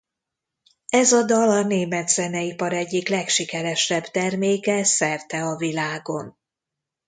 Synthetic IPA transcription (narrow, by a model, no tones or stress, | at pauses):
ɛzɒd̪ɒlɒneːmɛd̪zɛnɛipɒɾɛɟːiklɛkʃikɛɾɛʃɛbt̪ɛrmeːkɛsɛrt̪ɛɒvilaːɡo̞n